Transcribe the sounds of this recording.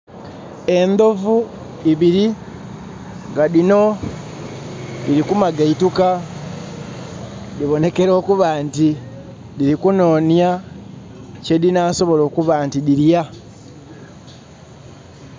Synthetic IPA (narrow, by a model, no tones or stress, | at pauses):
e̞nd̪o̞vu | iβiɾi | ŋɡaðino̞ | diɾikumaɡaituka | diβo̞ne̞ke̞ɾo̞ːkuβaːnti | diɾikuno̞ːnja | ce̞dinaːso̞βo̞lo̞ːkuβaːntidiɾja